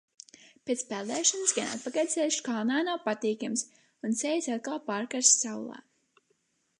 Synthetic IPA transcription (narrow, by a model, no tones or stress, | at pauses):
pet̪spɛlˠd̪ɛːʃɔnsɡana̰t̪̚pakajd̪ʲsɛjuʃkalˠnaːnawpat̪iːkams | unsɛjsat̪̚kalˠpaːɾkaɾsːaw̰lˠɑ̰ː